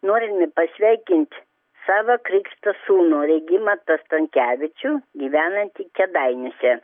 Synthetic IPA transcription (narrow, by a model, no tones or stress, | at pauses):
noːɾʲɪmʲɪpɐsʲʋʲæɪkʲɪnʲt̪ʲ | sɑːʋɐkɾʲɪkʃt̪ɐsuːnuːɾʲɛɪɡʲɪmɐt̪ɐst̪ɐŋʲkʲæːʋʲɪt͡ʃʲuːɡʲiːʋʲæːnɐnʲt̪ʲikʲɛd̪ɐɪnʲɪsʲɛ